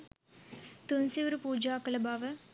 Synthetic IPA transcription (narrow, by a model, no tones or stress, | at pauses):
t̪unsiʋɐɾɯpuːd͡ʒaːkɐlɐbaːʋɐ